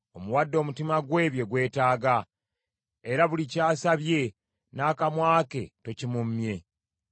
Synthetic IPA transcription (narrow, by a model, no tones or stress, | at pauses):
o̞muwadːo̞ːmutimaɡwe̞ːβje̞ɡwe̞ːtaːɡa | eɾaβulicaːsaβje̞ | naːkamwaːke̞to̞cimumːje̞